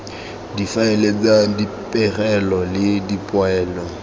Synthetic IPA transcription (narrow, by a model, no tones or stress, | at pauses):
difaɪlet͡sadi | pʼɛrɛlɔlɪdipʼwɛːlɔ